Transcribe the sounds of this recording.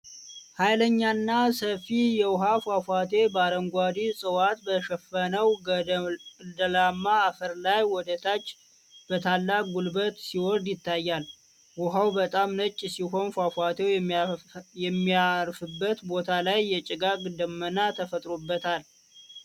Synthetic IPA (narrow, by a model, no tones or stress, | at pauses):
hajləɲːanːasəfijɛwʊɦafafʷat̪ʰe̞baɾəŋɡʷad̪isʼɨwat̪bəʃɛfːənəw | d̪əlamːaːfəɾlajwɔd̪ət̪ʰat͡ʃː | b̥ət̪ʰalːakʼɡulbət̪siwɔɾd̪jɪt̪ːajːal | wʊɦawbət̪ʼamnət͡ʃʼːsiɦo̞nfafʷat̪ʰew | jɛmːiaɾfɨbːət̪bo̞t̪ʰalajːɛt͡ʃʼɪɡaɡd̪əmːənat̪ʰəfət̪ʼɾobːət̪ʰal